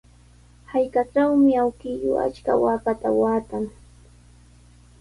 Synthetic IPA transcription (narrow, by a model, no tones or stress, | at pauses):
hajkaʈ͡ʂawmɪawkɪjo̰a̰t͡ʃka̰waːkat̪awaːt̪aŋ